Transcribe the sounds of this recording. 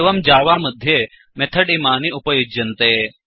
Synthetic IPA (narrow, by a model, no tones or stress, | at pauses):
ʋɐmd͡ʒaːʋamɐd̪ʱːje | met̪ʰɐɽimaːniʔupɐjod͡ʒɐnt̪eː